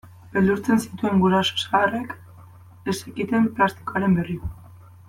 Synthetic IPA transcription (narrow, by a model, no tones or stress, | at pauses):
beld̪uɾt͡se̞nsi̥t̪ue̞ŋɡuɾaso̥saarek | esekit̪e̞mplast̪i̥koaɾe̞mbe̞rio